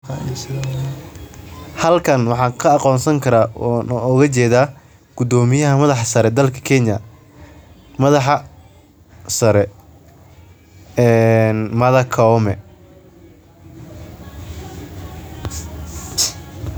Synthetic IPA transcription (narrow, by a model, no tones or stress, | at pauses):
s | hɐlkʰɐnwɑħɑːkʰɐɑqɔːnsɐŋkʰɐɾaːnɔɣɐt͡ʃɛːðaː | ɡ̥ʊd̪ɔːmɪjɐɦɐmɐðɑħɑsɐɾɛd̪ɐlkʰɐ̥kʰɛnjɐ | mɐðɑħɑ | sɐɾɛ | ɛːnmɐðɐkʰɐɔmɛ